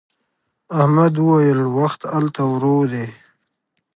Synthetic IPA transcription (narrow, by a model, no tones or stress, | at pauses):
ahmad̪wəwajəlwaxt̪alt̪awɾod̪e